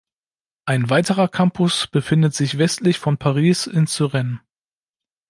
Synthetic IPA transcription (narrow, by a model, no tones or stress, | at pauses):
ʔaɪnvaɪtəʁɐkʰampʰʊsb̥əfɪndətz̥ɪçv̥ɛstlɪçfɔnpʰaʁiːsɪnt͡syʁɛn